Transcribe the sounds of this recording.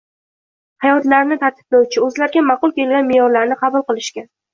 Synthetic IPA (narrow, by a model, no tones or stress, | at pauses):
hɑjɒt̪laɾnɪt̪ʰaɾt̪ʰɪ̥plawt͡ʃʰɪɵzlaɾɡʲamɑqʊlˠkʲe̞lɡʲanmejɒɾlaɾnɪqʰɑbʊlˠqɨlˠɪʃkʲa